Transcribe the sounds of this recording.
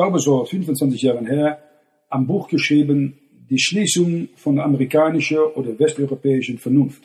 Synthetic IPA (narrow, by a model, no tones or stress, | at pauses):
aʊbəzofʏnfʊntt͡sv̥ant͡sɪçjaːʁənheːɐ | ʔanbuːxɡ̥əʃʁ̥iːbən | diːʃliːsʊŋfɔndameʁikaːnɪʃɐʔoːdɐɐvɛstɔʏʁopɛːɪʃənfɛɐnʊnft